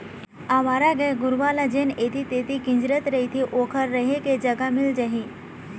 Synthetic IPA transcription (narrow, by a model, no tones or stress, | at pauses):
aʋaːɾaɡəjɡʊɾʋalad͡ʑenet̪it̪et̪ikɪ̃ɲd͡ʒɾət̪ɾəɦit̪ʰiʔokʰəɾːəɦeked͡ʒɐɡamɪld͡ʒɐɦi